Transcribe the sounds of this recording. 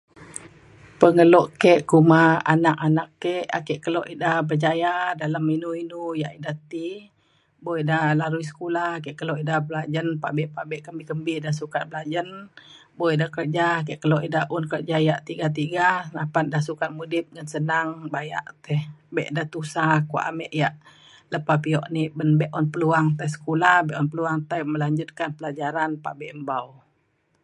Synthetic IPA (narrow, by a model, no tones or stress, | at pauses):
pəŋəlɔʔkɛʔkumaa̰nakanakːɛʔa̰kɛʔkəloʔidabərd͡ʒajadalaminuinujaʔidat̪i | boidalaɾuis̬ə̥kulahkɛʔkəloʔidablad͡ʒənpa̰ʔbɛʔpaʔbɛʔkəmbikəmbidahsukat̪̚bəlad͡ʒənbojdahkərd͡ʒakɛʔkəloʔidaʔunkərd͡ʒajaʔt̪iɡat̪̬iɡanapandasukan̚mudɪp̪̚ŋansənaŋbaja̰ʔt̪ɛhbɛʔdaht̪usakua̰ʔa̰mɛʔjaʔ | ləpapiɔʔniʔbənbɛʔɔnpəluaŋt̪ajs̬ə̥kulahbɛʔɔnpəluaŋt̪ajməlaɲd͡ʒʊt̪̚kanpəlad͡ʒaɾanpa̰ʔbɛʔmbaw